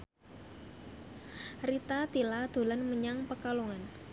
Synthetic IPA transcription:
rit̪at̪ilad̪̥o̤lanməɲaŋpəkaloŋan

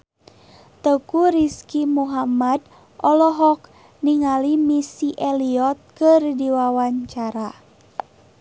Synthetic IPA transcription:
t̪əkuɾiskimuɦamad | ɔlɔɦɔk̚ | niŋalimisiʔeliɔt̪̚kərdiwawaɲt͡ʃaɾa

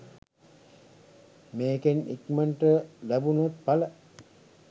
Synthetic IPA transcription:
meːkenḭkməɳʈəlæbunot̪̚palə

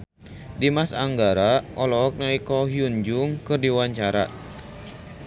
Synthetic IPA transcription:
dimasaŋɡaɾaʔɔlɔk̚naikɔɦiuɲd͡ʒuŋkɨrdiwaɲt͡ʃaɾa̰

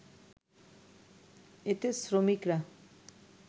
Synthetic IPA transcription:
et̪esɾomikɾa

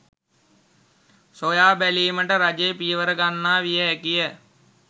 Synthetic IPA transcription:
sojaːbæliːməʈəɾad͡ʒepijəʋəɾəɡanːaːʋijəɦækijə

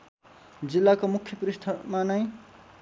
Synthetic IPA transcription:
d͡zilːakomukʰːjʌpuɾist̪ʰʌmanʌj̃

